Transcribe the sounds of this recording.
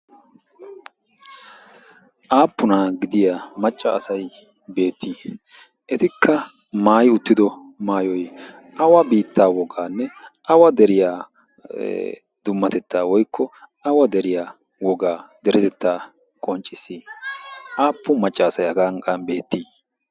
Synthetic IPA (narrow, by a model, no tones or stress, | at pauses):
ʔaːpːʊnɐɡɪd̪ɪjamɐt͡ʃʼːɐːsɐj | be̞ːt̪ʰːiː | ʔɛt̪ɪkʰːɐ | maːjʊt̪ːɪd̪ɔ | maːjɔj | ʔɐwɐbiːt̪ːaːwɔɡaːnːɛʔɐwɐd̪ɛɾɪja̰ː | d̪ʊmːɐt̪ɛt̪ːaːwɔjkːɔɐwɐd̪ɛɾɪjaː | wɔɡaːd̪ɛɾɛzɛt̪ːaː | kʼɔnt͡ʃʼːɪsːi | ʔaːpːʊmɐt͡ʃʼːɐːsɐjhɐɡɐŋkʼɐnbe̞ːt̪ːiː